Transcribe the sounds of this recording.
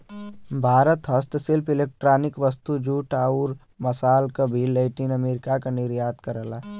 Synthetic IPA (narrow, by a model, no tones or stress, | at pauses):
bʱaːɾət̪ɦəst̪sɪlpɪleːk̚ʈɾaːnɪkʋəst̪ud͡ʒuːʈaːuɾ | mɐsaːlkəbʱilːeːʈinɐmeːɾɪkakanɪɾjaːt̪kɐɾəlaː